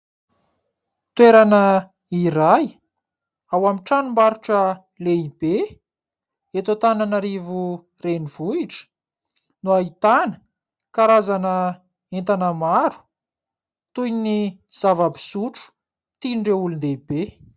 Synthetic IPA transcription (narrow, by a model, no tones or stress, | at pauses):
t̪weɾanə | iɾaj | awamiʈ͡ʂanumbaɾuʈ͡ʂə | leibe | et̪ot̪ananaɾivu | renivuiʈ͡ʂə̥ | nuait̪anə̥ | kaɾazanə | ent̪anəmaɾu̥ | t̪ujni | z̥avabi̥suʈ͡ʂu̥ | t̪iɳɖ͡ʐeulund̪eibe